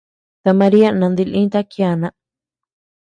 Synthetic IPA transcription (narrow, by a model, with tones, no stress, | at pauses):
t̪a˧mã˧ɾi˦a˦nã˧nd̪i˧lʔĩ˦t̪a˦kja˧˨nã˧ʔ